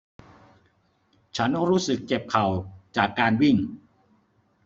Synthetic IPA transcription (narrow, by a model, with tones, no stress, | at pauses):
t͡ɕʰa˦˥n˥ɾuː˦˥sɯ˨˩k̚t͡ɕe˨˩p̚kʰa˨˩wt͡ɕaː˨˩kːaː˧nwi˥˩ŋ